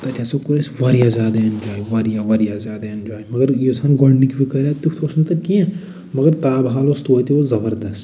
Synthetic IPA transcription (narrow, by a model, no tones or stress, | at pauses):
t̪ɐtʲʰasokuɾesʋɐɾjazjaːd̪aɐnd͡ʒaːiʋɐɾjaʋɐɾjazʲjaːd̪aɐnd͡ʒaːjimɐɡɐɾjesanɡɔɽnikibikɐɾat̪ukʰt̪ʰosnt̪ɐkiẽ | mɐɡɐɾt̪aːbɦaːlost̪ut̪iʋozɐbəɾd̪ɐst̪